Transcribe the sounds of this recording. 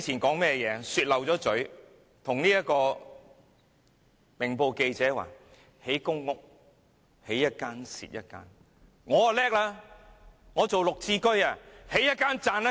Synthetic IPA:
t͡sʰiː˨˩nkɔː˨˥ŋmɛː˥jɛː˨˧syː˧t̚lɐ˨wt͡sɔː˨˥t͡sɵ˨˥ɥ | t̪ʰʊ˨˩ŋniː˥jɐ˥t̚kɔː˧ | mɪ˨˩ŋpo˨˧wke˧jt͡sɛː˨˥wa̰ː˨˩ | he˨˥jkʊ˥ŋːʊ˥k̚ | he˨˥jːɐ˦˥t̚kaː˥nsḭː˨t̚jɐ̰˥t̚ka̰ː˥n | ŋɔː˨˧a˨lɛː˥k̚laː˧˥ | ŋɔː˨˧t͡so˨wlʊ˨k̚t͡siː˧kɵ˥ɥaː˨˧he˨˥jɐ˥t̚kaː˥nt͡saː˧nɐ˥

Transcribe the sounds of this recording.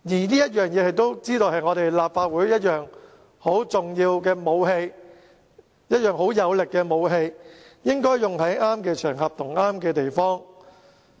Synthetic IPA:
jiː˨˩niː˥jɐ˥t̚jœː˨ŋjɛː˨˧hɐ˨jt̪o˥wt͡siː˥t̪o˧whɐ˨jŋɔː˨˧t̪e˨jlaː˨pfaː˧t̚wuː˨˥jjɐ˥t̚jœː˨˩ŋ | ho˨˥wt͡sʊ˨ŋjiː˧wkɛː˧mo˨˧wɦe˧j | jɐ˥t̚jœː˨ŋɦo˨˥wjɐ˨˧wlɪ˨kːɛː˧mo˨˧wɦe˧jjɪ˥ŋkɔː˥jjʊ˨ŋɦɐ˨˥jaː˥mkɛː˧t͡ʃʰœː˨˩ŋɦɐ˨p̚t̪ʰʊ˨˩ŋaː˥mkɛː˧t̪e˨jfɔː˥ŋ

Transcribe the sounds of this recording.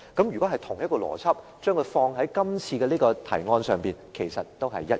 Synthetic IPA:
kɐ˨˥mjyː˨˩kɔː˨˥ɦɐ˨jt̪ʰʊ˨˩ŋjɐ˥t̚kɔː˧lɔ̰ː˨˩t͡sʰɐ˥p̚ | t͡ʃœː˥ŋkʰɵ˧fɔː˧ŋɦɐ˨˥jkɐ˥mt͡sʰiː˧kɛː˧liː˥kɔː˧t̪ʰɐ̰˨˩jŋɔː˧nsœː˨˩ŋpiː˨˩nkʰe˨˩jsɐ˨t̚t̪o˥wɦɐ̰˨jːɐ˦˥t̚

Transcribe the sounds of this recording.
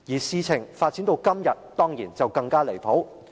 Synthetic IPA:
jiː˨˩siː˧t͡sʰɪ˨˩ŋfaː˧t̚t͡siː˨˥nt̪o˧wkɐ˥mjɐ˨t̚t̪ɔː˥ŋjiː˨˩nt͡sɐ˨wkɐ˧ŋkaː˥le˨˩jpʰo˨˥w

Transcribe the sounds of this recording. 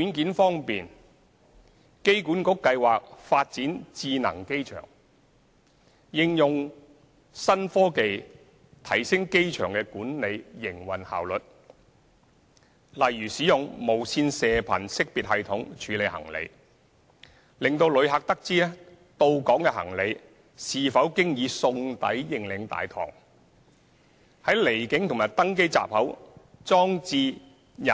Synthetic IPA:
y˨˥nkiː˨˥nfɔː˥ŋpiː˨n | ke˥jkuː˨˥nkʊ˨˥kkːɐ˧jwaː˨k̚faː˧t̚t͡siː˨˥nt͡siː˧nɐ̰˨˩ŋke˥jt͡ʃʰœ̰ː˨˩ŋ | jɪ˧ŋjʊ˨ŋ | sɐ˥nfɔː˥ke˨j | t̪ʰɐ˨˩jsɪ˥ŋke˥jt͡ʃʰœ̰ː˨˩ŋkɛː˧kuː˨˥nne˨˧jjɪ˨˩ŋwɐ˨˩nha̰ː˨˩wlɵ˨t̚ | lɐ˨˩jːyː˨˩siː˨˥jʊ˨ŋmo˨˩wsʰiː˧nsɛː˨pʰɐ˨˩nsɪ˥k̚piː˨t̚hɐ˨jt̪ʰʊ˨˥ŋt͡ʃʰyː˨˧le˨˧jhɐ̰˨˩ŋlḛ˨˧j | lɪ˨ŋt̪o˧wlɵ˨˧ɥɦaː˨k̚t̪ɐ˥k̚t͡siː˥ɛ˥ | t̪o˧wkɔː˨˥ŋkɛː˧hɐ̰˨˩ŋle˨˧j | siː˨fɐ˨˥wkɪ˥ŋjiː˨˧sʊ˧ŋt̪ɐ̰˨˥jːɪ˨˩ŋlɪ˨˧ŋt̪a̰ː˨jt̪ʰɔ̰ː˨˩ŋ | hɐ˨˥jle˨˩jkɪ˨˥ŋt̪ʰʊ˨˩maː˨˩jt̪ɐ˥ŋk̬e˥jt͡sa̰ː˨p̚hɐ˨˥wt͡sɔː˥ŋt͡siː˧ | jɐ˨˩

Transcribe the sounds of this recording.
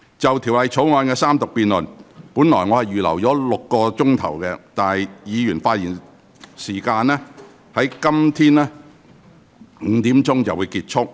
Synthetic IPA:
t͡sɐ˨wt̪ʰi˨˩wlɐ˨jt͡sʰo˨˥wŋɔː˧nkɛː˧saː˥mt̪ʊ˨k̚piː˨nlɵ˨˩npuː˨˥nlɔː˨˩jŋɔː˨˧hɐ˨jjyː˨lɐ̰˨˩wt͡ʃɔː˨˥lʊ˨kːɔː˧t͡sʊ˥ŋt̪ʰɐ̰˨˩wkɛ˧t̪aː˨jjiː˨˧jyː˨˩nfaː˧t̚jiː˨˩n | siː˨˩kaː˧nɛː˥ | hɐ˨˥jkɐ˥mt̪ʰiː˥nɛː˥˨˧ | t̪iː˨˥mt͡sʊ˥ŋt͡sɐ˨wu˨˧jkiː˧˥t̚t͡ʃʰʊ˥k̚

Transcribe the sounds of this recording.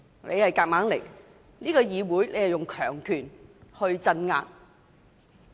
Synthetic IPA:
nḛ˨˧jhɐ˨jkaː˧k̚maː˨˥ŋle˨˩j | niː˥kɔː˧jiː˨˧wuː˨˥jnʔe˨˧jhɐ˨jʊ˨ŋkʰœː˨˩ŋkʰyː˨˩nhɵ˧ɥt͡sɐ˧nŋa̰ː˧k̚

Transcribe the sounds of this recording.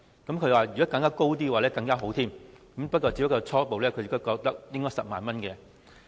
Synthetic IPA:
kɐ˨˥mkʰɵ˧ɥwaː˨jyː˨kɔ˨˥kɐ˧ŋkaː˥ko˥wt̪̬iː˥waː˨˩lɛː˥kɐ˧ŋkaː˥ɦo˨˥wt̪ʰiː˥mkɐ˨˦mpɐ˥kɔː˧t͡ɕi˧˥pɐ˥kːɔː˧t͡sʰɔː˥po˨wlɛː˥kʰɵ˨˧ɥjɪ˥kːo˥kɔː˧k̚t̪ɐ˥k̚jɪ˥ŋkɔː˥jsɐ˨p̚maː˨nmɐ˥nkɛː˨˧

